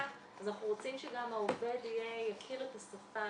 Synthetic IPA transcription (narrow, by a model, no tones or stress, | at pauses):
azanaχnuʁo̞t͡simʃeɡamaovedijejakʰiletasafa